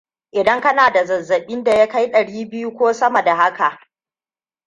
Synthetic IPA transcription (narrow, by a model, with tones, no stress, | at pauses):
ʔɪ˨dɐ˦ŋkɐ˦naː˨da˨zɐ˨zːɐ˨ɓɪ˦nda˨ja˦ka˦jɗɐ˨ɽiː˦bɪ˦ju˦kʷoː˦sɐ˦mɐ˨da˨ha˦ka˨ʔ